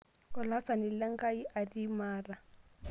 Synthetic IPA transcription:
kɔ˨la˦sa˨ni˨la˦ŋɡa˦i˦ʔa˨ri˦maː˦ra˨

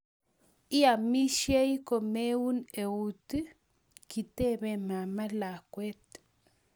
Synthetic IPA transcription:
i˦a˨mi˦ʃje˦jko˨me˦u˦ne˨u˦t̪ɨ˦ | ki˨t̪e˦be˧ma˨ma˦la˨kʷe˦t̪

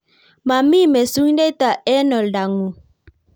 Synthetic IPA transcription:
ma˨mi˦˨mɛ˨su˦ɲ˦de˦t̪a˨ʔɛ˦nɔ˨lda˨ŋu˨

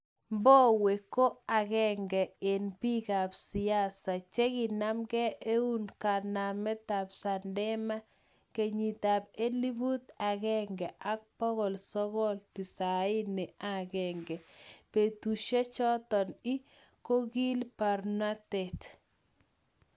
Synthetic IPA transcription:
mbɔ˦we˨ko˦a˨ɡɛ˦ŋɡɛ˨ɪ˨npi˦ɡa˨bsɪ˨a˦sa˨t͡ʃe˦ɡɪ˨na˦mɡɛ˦ʔe˦u˦nka˨na˨mɛ˦t̪a˨psa˨ndɛ˦ma˦ | ke˨ɲi˨t̪a˨be˦li˦bu˦t̪a˨ɡɛ˦ŋɡɛ˨ʔa˦k̚pɔ˦ɣɔ˨lsɔ˦ɡɔ˦lt̪i˨sa˨ɪ˦nɪ˨a˦˨ɡɛ˨ŋɡɛ˨pe˨tu˨ʃe˦t͡ʃɔ˦t̪ɔ˨ni˦ | ko˦ɡi˦lpa˨ɾna˦te˨t

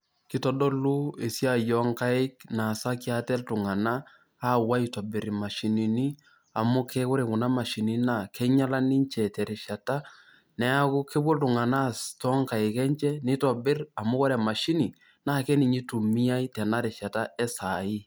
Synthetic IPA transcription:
kɪ˦tɔ˦dɔ˦lu˦e˨si˦a˦jɔ˨˦ŋka˦ɪ˦kna˨sa˦ki˦a˦tɛ˦ltʊ˨ŋa˨naː˦˨ | wa˦itɔ˨bɪ˨ɾi˨ma˨ʃi˨ni˨ni˦ | a˨mʊ˦kʰɛ˦kʊ˦ɾe˨kʊ˨na˦ma˨ʃi˨ni˦na˨kʰɛ˦ɲa˦la˦ni˦ɲt͡ʃɛ˨tɛ˨ɾɪ˨ʃa˨ta˦ | nɛ˦a˦kʊ˦ke˦bo˦ltʊ˨ŋa˨na˦˨tɔ˦ŋka˨ɪ˨kɛ˦ɲt͡ʃɛ˦nɪ˦tɔ˨bɪ˦ra˨mʊ˦kɔ˦ɾɛ˨ma˨ʃi˦ni˨ | na˦˨kɛ˦ni˨ɲi˦tu˨mi˦a˦i˦tɛ˨na˦ɾɪ˨ʃa˨ta˦ɛ˦sa˨i˦

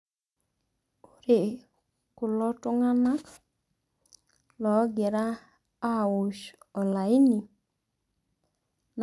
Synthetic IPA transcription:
u˦ɾe˨ | kʊ˨lɔ˦tʊ˦ŋa˦na˦k | lɔ˨˦ɡe˨ɾaː˦˨ | ʊ˨ʃɔ˨la˨ɪ˦ni˨ | n

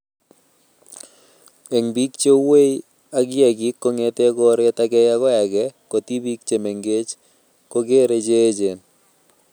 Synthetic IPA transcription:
e˨ŋbi˦kt͡ʃe˦we˦i˦ | a˦ɡɪ˦ɛ˨ɡɪ˦kːo˦ŋe˦te˦ɡɔ˦ɾe˦ta˦ɡɛ˦ja˦ɣɔ˦ɛ˨ɡɛ˦ko˨ti˦bi˦kt͡ʃe˨me˨ŋɡe˦t͡ʃ | ko˦ɡe˦ɾe˨˦d͡ʒe˦d͡ʒe˨n

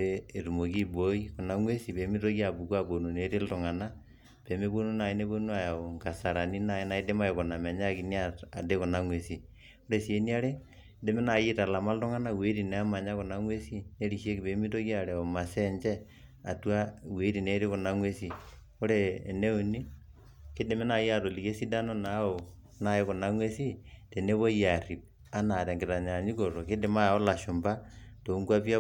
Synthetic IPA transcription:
eː˦˨tu˨mo˨ki˦bo˦i˦kʊ˨na˦ŋwe˦si˨pe˨˦mi˦to˦ki˦a˨bu˨kwa˦bo˨nu˨ne˨˦ɾe˦ltʊ˨ŋa˨na˦ | pe˨me˦bo˦nu˦na˨i˦ne˦bo˦nu˦a˨ja˨o˨ŋka˨sa˨ɾa˨ni˦na˨e˦na˨˦i˦de˦ma˦e˨kʊ˨na˨mɛ˨ɲa˦ki˨ni˦a˦ta˨de˦kʊ˨na˦ŋwe˨si˨ | o˦ɾe˨si˨e˦ni˦a˦ɾe˦ | de˦me˦na˨ji˦ta˨la˨ma˦ltʊ˦ŋa˦na˦we˦ɾi˨nɛ˨a˦ma˨ɲa˦kʊ˨na˦ŋwe˦si˦ne˦ɾi˨ʃe˦kɪ˨be˨˦mi˦to˦kja˨ɾɛ˨o˨ma˨sɛ˦ɲt͡ʃɛ˦ | a̰˨twa˦we˨˦ɾi˨ne˦ɾɪ˦kʊ˨na˦ŋwe˦si˨ | ɔ˦ɾe˦˨ne˦u˨ni˦ | kɪ˦de˨˦mɛ˦na˨ji˦a˨to˨li˨ke˦si˦da˦no˦na˨˦o˨ | na˨˦je˦kʊ˨na˦ŋwe˦si˦te˨ne˦βo˦ja˨ri˨p̚ | a˦na˨ɾɛ˨ŋɡɪ˨ta˨ɲa˨ɲi˦ko˨ɾo˨kɪ˦dɪ˨ma˦˨ɔ˦la˨ʃʊ˨mba˦ | to˨u˦ŋkwa˦pja˦

